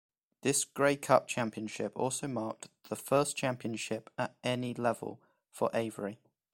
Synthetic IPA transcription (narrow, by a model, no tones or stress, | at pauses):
ðɪsɡ̥ɹeɪkʰʌp̚t͡ʃʰãmpiə̃nʃɪpɔ̰ˑlˠsəʊmɑˑk̚ðəfɜˑst͡ʃʰãmpiə̃nʃɪpətɛnilɛvə̰lˠ | fə̰ɹʔeɪvəɹi